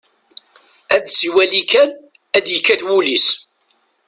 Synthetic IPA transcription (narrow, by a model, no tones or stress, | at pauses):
æd̪siwælikæn | æd̪jəkːæθwulis